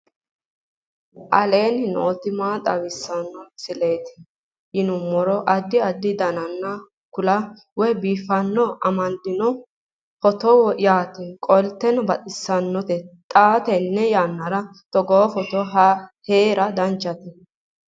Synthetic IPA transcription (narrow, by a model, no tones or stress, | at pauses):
ʔɐle̞ːnɪnoːt̪ɪmaːt̪ʼɐwɪsːɐnːɔsɪle̞ːt̪ɪ̥ | jɪnʊmːɔɾɔʔɐd̪ːɪɐd̪ːɪd̪ɐnɐnːɐ | kʊlɐ | wɔjbiːfɐnːɔʔɐmɐnd̪ɪnɔ | fɔt̪ɔwɔjaːt̪ɪkʼɔlt̪ːɛnɔbɐt̪ʼɪsːɐnːɔt̪ɛt̪ʼaːt̪ɛnːɛjaːnːɐɾɐ | t̪ɔɡofɔt̪ɔɦɐheːɾɐd̪ɐnt͡ʃʼːɐt̪ɪ